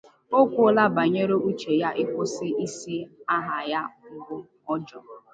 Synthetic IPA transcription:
o˦kʷʊ˦la˦ba˨ɲe˦ɾe˦u˦t͡ʃe˨ja˦ʔɪ˦kʷʊ˦sɪ˦i˦si˦a˦ɦa˨ja˦bʊ˦ | ɔ˦d͡ʒɔ˨

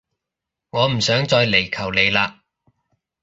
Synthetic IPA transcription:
ŋɔː˨˧m̩˨˩sœː˨˥ŋt͡sɔː˧jle˨˩jkʰɐ˨˩wle˨˧jlaː˧

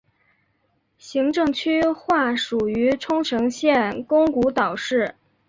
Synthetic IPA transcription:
ɕi˧˥ŋʈ͡ʂɤ˥˧ŋt͡ɕʰy˥xwa˥˩ʂu˨˩y˧˥ʈ͡ʂʰʊ˥ŋʈ͡ʂʰɤ˧˥ŋɕjɛ˥˩nkʊ˥ŋku˧˥t̪ɑ˨˩ʊʂɻ̩˥˩

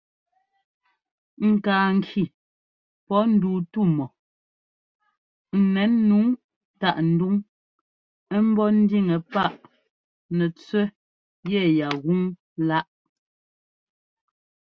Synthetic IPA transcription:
ŋ̩˨kaː˨ŋ˨kʰi˨ | pɔ˨˦n̩˦du˨tu˦˨mɔ˨ | n̩˨nɛ˨˦nːu˨˦ŋ | ta˦˨ʔn̩˨du˦ŋ | ɛ˦m̩˦bɔ˦n̩˦di˦ŋɛ˨pa˦˨ʔ | nɛ˨t͡swɛ˦ | jɛ˦˨ja˨ɣu˦ŋ | la˦ʔ

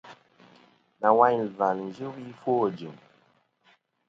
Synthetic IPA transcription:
na˨wa˦ɲ˨va˨ln˨d͡ʒɨ˦wi˦fwo˦˨d͡ʒi˨m

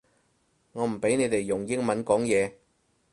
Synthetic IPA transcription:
ŋɔː˨˧m̩˨˩pe˨˥jne˨˧jt̪e˨jːʊ˨˩ŋjɪ˥ŋmɐ˨˦nkɔː˨˥ŋjɛː˨˧

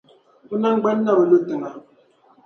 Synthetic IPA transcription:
u˦na˦ŋ͡m̩˦ɡ͡bɛ˦n̩˦na˦˨bo˨lo˦tɨ˨ŋa˨

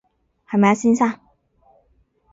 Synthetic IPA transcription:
ha˨˩ma˧˩˥si˥nsa˥˨

